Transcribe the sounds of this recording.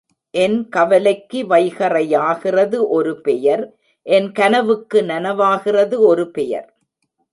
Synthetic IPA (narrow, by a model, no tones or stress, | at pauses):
ʔɛnkɐʋɐlɐɪkːɯʋɐɪɣɐrɐjaːɣɪrɐðɯʔɔɾɯpɛjɐɾ | ʔɛnkɐnɐʋɯkːɯnɐnɐʋaːɣɪrɐðɯɔɾɯpɛjɐ̰ɾ